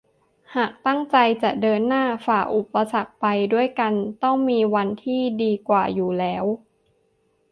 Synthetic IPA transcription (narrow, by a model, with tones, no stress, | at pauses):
haː˨˩k̚t̪a˥˩ŋt͡ɕa˧jt͡ɕa˨˩dɤː˧nːaː˥˩faː˨˩k̚ʔu˨˩pːa˧sa˨˩k̚pa˧jdu˥˩əjka˧nt̪ɔ˥˩ŋmiː˧wa˧nt̪ʰiː˥˩diː˧kwaː˨˩juː˨˩lɛː˦˥w